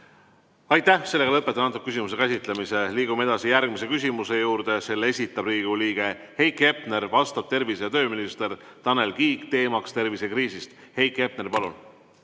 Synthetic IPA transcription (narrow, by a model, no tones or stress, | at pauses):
ɑjt̪ːæhse̞lːe̞ɡɑlɤpːet̪ːˑɑnɑt̪ːˑukːys̬ʲimus̬e̞kæsit̪ˑle̞mise̞liːɡ̥umeed̪ɑsijærɡ̥mise̞kys̬ʲimuse̞juːɾd̪̥ese̞lːee̞sʲit̪ːˑɑb̥riːɡ̥uliːɡ̥e̞ | he̞jkˑe̞pne̞rvɑst̪ɑb̥t̪e̞rviset̪ø̞ːminist̪e̞rt̪ɑne̞lkiːkt̪e̞ːmɑkst̪e̞rvisekriːsist̪he̞jkˑe̞p̚ne̞rpɑlun